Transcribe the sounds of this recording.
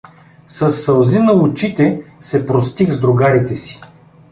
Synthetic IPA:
sɐsːɐlˠzinɐʊt͡ʃit̪ɛsɛpɾost̪ixzd̪ɾʊɡaɾit̪ɛsi̥

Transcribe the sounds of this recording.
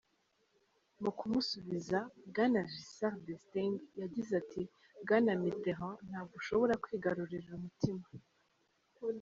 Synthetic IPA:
mukumusuβizabɡanaʒisaʁdestiŋɡjaɟizatʰi | bɡanamiteʁɔ̃n̥haːbɡuʃo̞βo̞ɾakwiːɡaɾuɾiɾumutima

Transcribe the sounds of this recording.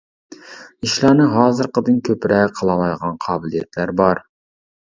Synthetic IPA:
iʃlˠɑːnɨɦɑːzɨɾqəd̪ɨnkʲʰøpɾɛqʰəlˠɑmɑjʁɑnqʰɑːbɪlijɛt̪ʰlæɾbɑɾ

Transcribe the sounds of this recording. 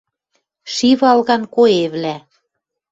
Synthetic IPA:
ʃiβɑlɣɑnkoeβlæ

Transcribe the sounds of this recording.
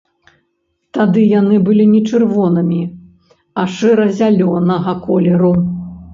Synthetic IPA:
t̪ad̪ɨjanɨbɨlʲinʲɛt͡ʂɨrvɔnɨmʲi | ɐʂɛɾɐzʲalʲɔnɐɣɐkɔlʲɛɾu

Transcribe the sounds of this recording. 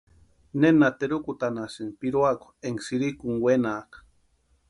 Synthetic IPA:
nenat̪eɾukut̪anasiŋpiɾuakʷu̥eŋsiɾikuŋwenaːk

